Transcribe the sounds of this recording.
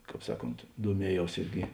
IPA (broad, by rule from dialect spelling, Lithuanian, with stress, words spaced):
ˈkɑːp ˈsɑːˌkoːnt duɔˈmʲiɛˌjɛʊs ˈɪrʲɡʲɪ